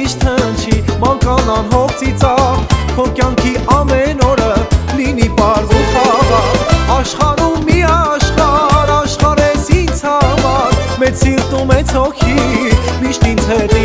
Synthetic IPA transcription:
iʃt̪ʰənt͡ʃʰimɑnkɑnɑnɦɔk̚ʰt͡sʰit͡sɑvɔɾkjɑŋkʰiʔɑmɛnɔɾəlinipɑɾvuχɑʁɑɑʃχɑɾumːiɑʃχɑɾɑʃχɑɾɛzint͡sʰɑmɑɾmɛt͡ssiɾt̪umɛt͡sʰɔkʰimiʃt̪int͡sʰɛt̪i

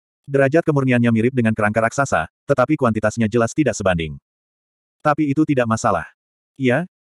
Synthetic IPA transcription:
dəɾad͡ʒat̪̚kəmurnianɲamiɾɪp̚dəŋankəɾaŋkəɾak̚sasa̰t̪ət̪apikuwant̪it̪asɲad͡ʒəlast̪idaʔsəbandɪ̰ŋ | t̪apiːt̪ut̪idaʔmasala̰h | ia

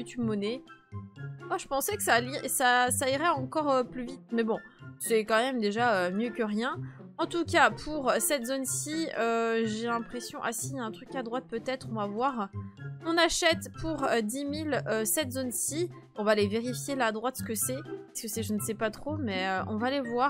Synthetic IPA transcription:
ut̪ybmɔnɛ | aʒəpɑ̃sɛkə̥salisasaiʁɛɑ̃kɔʁøplyvit̪mɛbɔ̃ | sɛkɑ̃mɛmd̪eʒaømjøkəʁjɛ̃ɑ̃t̪ukʲapʰuʁsɛt̪zonsiøʒelɛ̃pχesjɔ̃ʔasiɛ̃t̪χykad̪ʁwat̪̚pøt̪ɛt̪χɔ̃vavwaʁɔ̃naʃɛt̪pʰuʁd̪imiløsɛt̪zonsi | ɔ̃valeveʁifjelaːd̪ʁwat̪sə̥kəsɛpaskəsɛʒənsɛpat̪χomɛøʔɔ̰̃valevwaːʁ

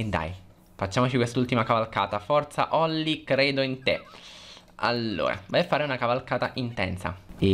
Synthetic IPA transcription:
ed̪ːa̰j | fat͡ʃːaːmot͡ʃikwest̪ult̪imakavalka̰ːt̪afɔrt̪sa̰ʔɔlːikɾeːd̪oint̪ḛ | a̰lːo̰ːɾa̰vajafːaːɾeunakavalkaːt̪aʔint̪ɛ̰nsa̰e

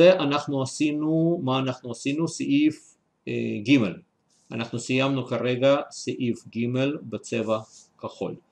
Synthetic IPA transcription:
eʔanaχnuasinumaːnaχnuasinusiʔif | ɡimḛl | a̰naχnusijamnukaɾeɡasiʔifɡimelbet͡sevakaχo̞̰l

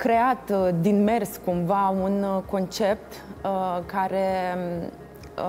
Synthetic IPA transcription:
kɾe̞at̪d̪inme̞rskumvaunko̞nt͡ʃe̞p̚t̪kaɾe̞

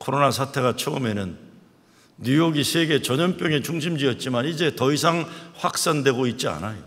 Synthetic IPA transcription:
kʰoɾonasʰatʰe̞ɣat͡ɕʰʌɯme̞nɯnː | ujoɡisʰeɡe̞t͡ɕʌɲʌnp͈jʌŋe̞t͡ɕuŋɕʰimd͡ʑiʌt̚t͡ɕ͈imanid͡ʑe̞tʌis̬ʰaŋɸwak̚s͈andwe̞ɡoit̚t͡ɕ͈ia̰najo

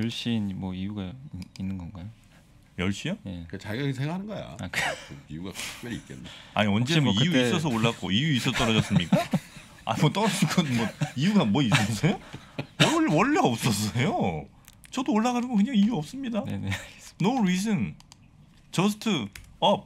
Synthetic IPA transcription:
jʌɭɕ͈inmwʌijuɡainːɯnɡʌnɡajo | jʌɭɕ͈ijʌeet͡ɕaɡasʰeŋɡakʰanɯnɡʌja̰akijuɡa̰kp͈ʌɾḭt̚k͈eea̰ɲiʌnd͡ʑemijuis͈ʌs̬ʰʌoɭːak͈oijuis͈ʌsʰʌt͈ʌɾʌd͡ʑʌs͈ɯmɲik͈a | a̰ɲimʌt͈ʌɾʌd͡ʑinɡʌnmwʌijuɡamwʌis͈ʌs͈ʰʌjo | wʌwʌɭːeʌp̚s͈ʌs̬͈ʌjo | t͡ɕʌdooɭːaɣanɯɡokɯɲaŋijuʌp̚s͈ɯmɲidannnoɾisɯn | t͡ɕʌs̬ʰtʰɯʌ

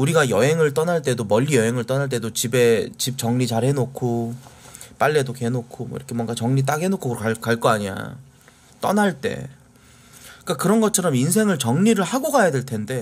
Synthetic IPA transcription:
uɾiɡajʌɦe̞ŋɯɭt͈ʌnaɭt͈e̞domʌʎːijʌɦe̞ŋɯɭt͈ʌnaɭt͈e̞dot͡ɕibe̞t͡ɕip̚t͡ɕʌŋɲit͡ɕaɭhe̞nokʰo | p͈aʎːedokenokʰomʌḭɾʌkʰemwʌŋɡat͡ɕʌŋɲit̬͈aɡɦe̞nokʰoɡɯɾokakaɭk͈ʌaɲia̰ | t͈ʌnaɭt͈e̞̰ | k͈akɯɾʌnɡʌt͡ɕʰʌɾʌminsʰe̞ŋɯɭt͡ɕʌŋɲiɾɯɭhaɡoɡajade̞ɭtʰe̞nde̞

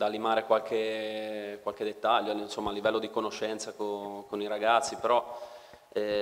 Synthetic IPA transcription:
d̪alimaːɾekwalke | kwalk̟ed̪et̪ːaʎːonsomːaːlːivɛlːod̪ikonoʃɛnt̪sakokoniɾaɡat̪sːipeɾɔ | ɛ

